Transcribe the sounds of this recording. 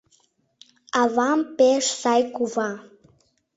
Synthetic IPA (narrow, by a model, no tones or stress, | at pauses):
ɑvɑmpeʃsɑjkuvɑ